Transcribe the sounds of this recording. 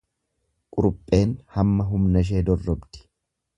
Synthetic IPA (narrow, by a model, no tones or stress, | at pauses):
kʼʊɾʊpʼːe̞ːnhɐmːɐɦʊmnɐʃ̬e̞ːd̪ɔrːɔbd̪ɪ̥